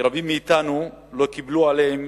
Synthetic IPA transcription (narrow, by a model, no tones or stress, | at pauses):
ɾabimːeit̪anulo̞kiblualeem